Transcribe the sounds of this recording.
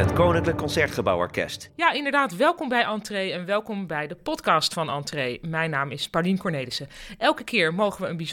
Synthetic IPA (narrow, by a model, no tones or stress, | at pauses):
ətkownɪŋkləkːɔnsɛɹtχəbɑwɔ̰ɹkɛ̰stjaːɪndəɹdaːtʋɛlˠkɔmbɛjʔɑntrejɛnʋɛlˠkɔmbɛjdəpɔtkɑːstfɑnɑ̰ntrejmɛjnaːmɪspɑɹlinkɔɹnejləsəʔɛlˠkəkɪːɹmowχəʋəənbiz